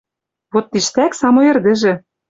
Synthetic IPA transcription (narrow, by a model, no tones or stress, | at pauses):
βot̪ːiʃt̪æksɑmoĕrd̪ɘ̆ʒɘ̆